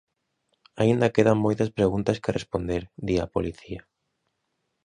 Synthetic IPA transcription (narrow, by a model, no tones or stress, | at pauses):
aind̪ɐkeðɐŋmojt̪ɐspɾeɣunt̪ɐskɪrespond̪eɾd̪iɐpo̰liθiɐ